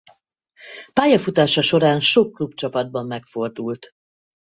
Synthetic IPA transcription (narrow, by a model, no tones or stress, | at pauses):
paːjɒfut̪aːʃɒʃo̞ɾaːnʃokːlupt͡ʃɒpɒd̪̚bɒmːɛkfo̞rd̪ult̪